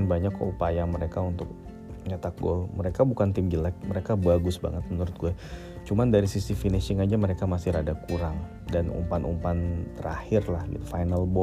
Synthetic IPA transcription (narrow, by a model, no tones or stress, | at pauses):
nbaɲakːə̰upajaməɾekaunt̪ʊk̚ | ɲat̪ak̚ɡɔ̰lməɾekabukant̪ɪmɡilɛk̚məɾekabaɡʊsba̰ŋət̪̚mənuɾʊt̪̚ɡuɛ | t͡ʃumandaɾisisifinesɪŋad͡ʒaməɾekamasɪɾadakuɾaŋ | danṵmpanṵmpant̪əɾa̰hɪrlahɡḭt̪ufajnalbɔ